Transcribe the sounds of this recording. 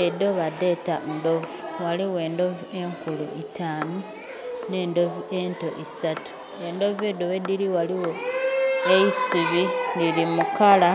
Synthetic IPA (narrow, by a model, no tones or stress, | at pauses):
edo̞βade̞tando̞vuwaliwe̞ːndo̞vue̞ŋkulṵʔitʰaːmu | ne̞ːndo̞vue̞nto̞ʔisatu̥ | e̞ndo̞ved̪owediɾiwaliwo̞ | eisuβililimukala